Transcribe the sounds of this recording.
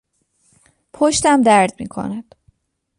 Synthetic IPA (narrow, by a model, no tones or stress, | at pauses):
pʰoʃt̪æmd̪æɾd̪mḭːkʰo̰næd̪̥